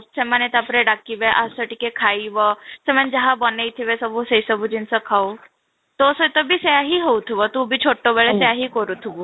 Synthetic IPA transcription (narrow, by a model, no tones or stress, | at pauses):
semanet̪apɾeɖakːiʋeʔasəʈikekʰaiʋəsemənd͡ʒəɦabɔneit̪ʰiʋesəbuseisəbʱud͡ʑinsəkʰau | t̪osət̪əbʱiseaɦiɦowt̪ʰuʋət̪ubʱiːt͡ɕʰoʈːobeɭeseaɦikɔɾut̪ʰubu